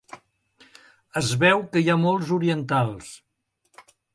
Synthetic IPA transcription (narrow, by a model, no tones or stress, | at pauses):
əzβɛwkəiamɔlˠzuɾiənt̪alˠs